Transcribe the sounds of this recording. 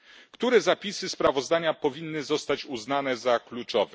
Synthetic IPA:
kt̪uɾɛzapʲisɘspɾavɔzd̪aɲapɔvʲinːɘzɔst̪at͡ɕuznanɛzaklut͡ʂɔvɛ

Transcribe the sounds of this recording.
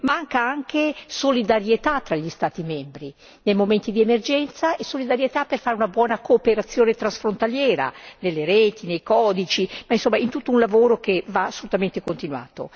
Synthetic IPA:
maŋkaaŋkesolid̪aɾjet̪at̪ːɾaʎːist̪aːt̪imɛmbɾi | nejmoment̪id̪iemerd͡ʒɛnt̪saesolid̪aɾjet̪apːerfaɾeunabwɔːnakoːpeɾat̪sːjoːnet̪ɾasfɾont̪aljɛːɾa̰nelːeɾɛːt̪inejkɔːd̪it͡ʃimainsomːaint̪ut̪ːounlavoːɾok̟evaːsːolut̪ament̪ekont̪inwa̰ːt̪o̰

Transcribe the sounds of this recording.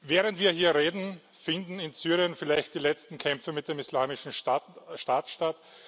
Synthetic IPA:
vɛːʁəntv̥iːɐɦiːɐʁeːdn̩ | fɪndn̩ɪnsyːʁiənfɪlaɪçtd̥iːlɛt͡stn̩kʰɛmfəmɪt̚d̥emislaːmɪʃn̩aʃtaːtʃtat

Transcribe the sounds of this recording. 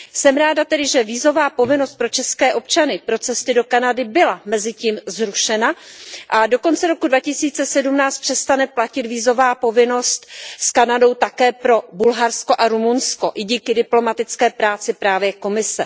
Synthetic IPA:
sɛmɾaːdat̪ɛdɪʒɛviːzo̞vaːpo̞vɪno̞st̪̚pɾo̞t͡ʃɛskɛːʔo̞p̚t͡ʃanɪpɾo̞t͡sɛst̪ɪdo̞kanadɪbɪlamɛzɪciːmzɾuʃɛnaʔado̞ko̞nt͡sɛɾo̞kudvacɪsiːt͡sɛsɛdumnaːt͡st̪pr̥ɛst̪anɛplacɪt̪viːzo̞vaːpo̞vɪno̞st̪skanado̞wt̪akɛːpɾo̞bulɦaɾsko̞ʔaɾumunsko̞ʔɪɟiːkɪdɪplo̞mat̪ɪt͡skɛːpɾaːt͡sɪpɾaːvjɛko̞mɪsɛ

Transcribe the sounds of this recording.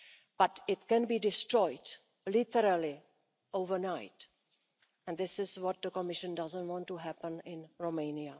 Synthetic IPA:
b̥ʌtɪtkɛ̃nbidɪstɹɔɪd | lɪtəɾəli | ovə˞naɪt | ɛ̃nd̪ɪsɪzwɔt̪̚d̪ðəkəmɪʃə̃ndʌzə̃ntwɔ̃ntuɦæpə̃nɪ̃nɹomẽɪ̃nia

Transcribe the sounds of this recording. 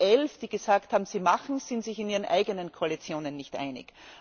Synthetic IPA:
ʔɛlfd̥iːɡ̥əzaːkthaːbm̩ziːmaχn̩z̥ɪntsɪçɪniːʁənʔa̰ɪɡənənkʰoalit͡sjoːnənːɪçtʔa̰ɪnɪ̰k

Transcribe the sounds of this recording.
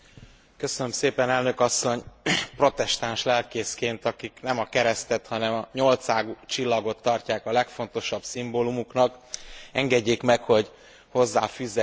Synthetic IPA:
kø̞sønømseːpɛnɛlnøkɒsːo̞ɲpro̞t̪ɛʃt̪anʃlɛlkeːskeːnt̪ɒkiknɛmɒkɛɾɛst̪ɛt̪hɒnɛmɒɲo̞lt̪saːɡut͡ʃilːɒɡo̞t̪ːɒrcaːkɒlɛkfo̞nt̪o̞ʃɒbsimboːlumuknɒkɛŋɡɛɟːeːkmɛkho̞ɟ | ho̞zːaːfyːzːɛ

